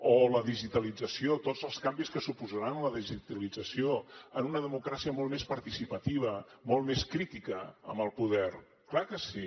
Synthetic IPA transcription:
oləðiʒit̪əlid͡zəsiot̪od͡zəlˠskambiskəsupuzəɾanləðiʒit̪əlid͡zəsioənunəðəmukɾasiəmɔlˠmespəɾt̪isipət̪iβ̞əmolˠmeskɾit̪ikəə̰mbəlˠpuðɛr | klakəsi

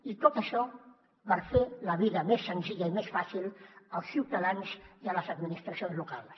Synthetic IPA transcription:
it̪ot̪əʃɔ | βəɾfeləβiðəmesːənziʎəimesfasilˠəlˠsːiwt̪əðanziələzəd̪minist̪ɾəsionzlukalˠs

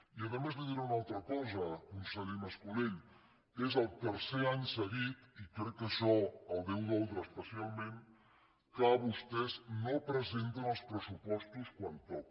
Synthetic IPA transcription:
iəβəmezðəðiɾaunalˠt̪ɾəkɔzəkunsəʎeməskuleɲ | ezəlˠt̪əɾseaɲsəɣit̪ikɾɛkːəʃɔəlˠd̪ɛwðɔlˠt̪ɾəːspəsialˠmẽn | kaβust̪ɛznopɾəzent̪ənəlˠspɾəsupɔst̪uskwant̪ɔk̚

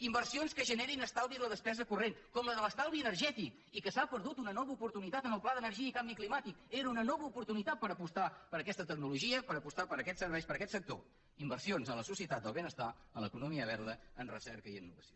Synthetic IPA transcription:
imbəɾrsionskəʒəneɾinəst̪alˠβiðələðəspɛzəkurenkɔmləðələst̪alˠβiənərʒɛt̪ik | ikəsapəɾðut̪unənɔβəupuɾt̪unit̪at̪ənəlˠplˠaðənəɾʒiəikambiklimat̪ikeɾunənɔβəupuɾt̪unit̪at̪̚pəɾəpust̪apəɾəkɛst̪ət̪ək̚nuluʒiəpəɾəpust̪apəɾəkɛtsəɾβɛjspəɾəkɛt̪sək̚t̪o̰ | imbərsionzələsusiət̪at̪̚d̪əlˠβenəst̪a | ələkunumiəβ̞ɛɾðəənrə̰sɛɾkəiinːuβəsio

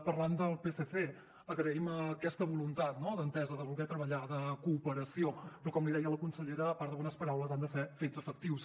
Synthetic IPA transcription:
pərland̪əlˠpeseθe | əɣɾəiməkɛst̪əβulunt̪at̪nɔðənt̪ɛzəðəβulˠɣɛt̪ɾəβəʎaðəkuːpəɾəsiopɾɔkɔmliðɛjələkunsəʎeɾəːpaɾtd̪əβɔnəspəɾawləzand̪əsɛfezəfək̚t̪iws

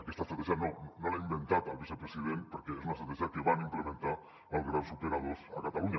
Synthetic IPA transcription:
akest̪ast̪ɾat̪eʒanonnolaimbent̪at̪alˠβisepɾesið̞enpoɾkees̬unast̪ɾat̪eʒakeβanimplemẽnt̪a | əlˠɣɾawsupeɾað̞osakat̪aluɲa

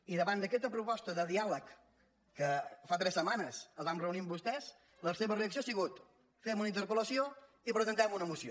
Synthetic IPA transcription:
iðəβand̪əkɛst̪əpɾupɔst̪əðəðialəkː | əfat̪ɾɛsːəmanəsəlˠβamrəunimbust̪ɛz | ləseβəreəks̬ioasiɣut̪ | fɛmunəint̪əɾpələsio | ipɾəzənt̪ɛmunəmusio

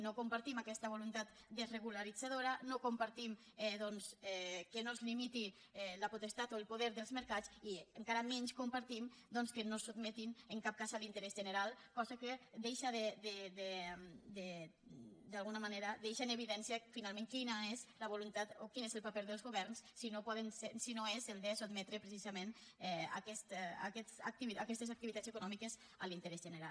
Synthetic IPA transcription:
nokumpaɾt̪imakɛst̪ɐβulunt̪at̪ | d̪əzreɣ̞ulaɾid͡zaðoɾɐnokumpaɾt̪im | ɛðɔnsɛkənozlimit̪i | ɛləput̪əst̪at̪oəlˠpuðɛɾðəlˠzməɾkat͡siəŋkaɾəmɛɲskumpaɾt̪imd̪ɔnskənosud̪̚mɛt̪inəŋkap̚kazalint̪əɾɛzʒənəɾalˠkɔzakəd̪ejʃaðed̪ed̪ed̪e | d̪alɣunamaneɾad̪ejʃaneβiðɛnsiafinalmẽŋkinaezləβulunt̪at̪okinezəlˠpapeɾðəlˠzɣuβɛɾnssinopɔðənsesinoezelˠd̪esud̪mɛt̪ɾepɾesizamẽnɛa̰kɛst̪a̰kɛsa̰k̚t̪iβiakɛst̪ezak̚t̪iβit̪asəkunɔmikəz | əlint̪əɾɛzʒənəɾal

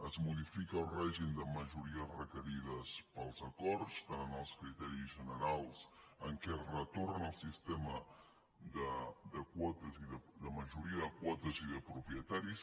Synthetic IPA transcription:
əzmuðifikəulˠrɛʒimd̪əməʒuɾiəsrəkəɾiðəspəlˠzəkɔɾtst̪anənəlˠskɾit̪ɛɾizʒənəɾalˠs | əŋkɛrət̪oɾnəlˠsist̪ɛmə | d̪əd̪əkwɔt̪əziðəd̪əməʒuɾiəðəkwɔt̪əziðəpɾupɾiət̪aɾis

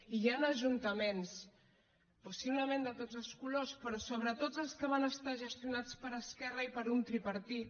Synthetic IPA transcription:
ijanəʒunt̪əmens | pusiβləmẽnd̪ət̪od͡zəlˠskulospɾɔsoβɾət̪od͡zəlˠskəβ̞anəst̪aʒəst̪ijunat͡spəɾəskɛrəipəɾunt̪ɾipəɾt̪it̪̚

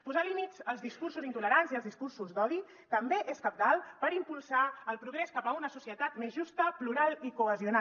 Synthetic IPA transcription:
puzalimitzəlˠzðiskursuzint̪uləɾanziəlˠzðiskursuzd̪ɔði | t̪əmbeʔeskap̚t̪alˠpəɾimpulˠsaəlˠpɾuɣ̞ɾeskapəunəsusiət̪at̪mezʒust̪əpluɾalˠikuəziuna

